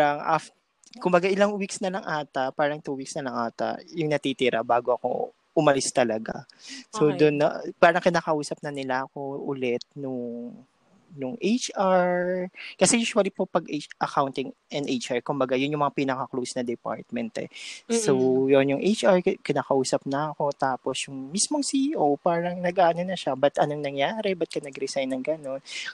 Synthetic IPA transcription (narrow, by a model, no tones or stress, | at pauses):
aɾɐŋʔa̰f | kʊmbɐɡaʔɪlaŋwiksnɐlɐŋʔaːt̪ɐpaːɾɐŋt̪uwiksnɐlɐŋʔaːt̪ɐ̰jʊŋnɐt̪iːt̪iːɾɐbaːɡoɐko̞̰ | ʔʊmɐlɪst̪ɐlɐɡa̰sod̪ʊnːɐpaːɾɐŋkɪnaːkɐʔuːsɐp̚nɐnɪlaɐko̞ʔʊlɛt̪̚nʊŋ | nʊŋʔejt͡ʃaɹkɐsɛjuːswɐlipo̞pɐɡʔet͡ʃʔɐkawnt̪ɪŋʔɛnʔet͡ʃʔaɹkʊmbɐɡajʊnjʊŋmɐŋapiːnɐkɐklowsnɐd̪ɛpa̰ɹt̪̚mɛnt̪ɛ̰sowjonjʊŋʔejt͡ʃʔaɹkɪnaːkɐʔuːsɐp̚nɐʔɐko̞t̪aːposjʊŋmismoŋsiʔowpaːɾɐŋnɐɡʔaːʔɐnonɐʃabɐt̪ʔɐnoŋnɐŋjaːɾɛbɐt̪̚kɐnɐɡɾɛsajnːɐŋɡɐno̞n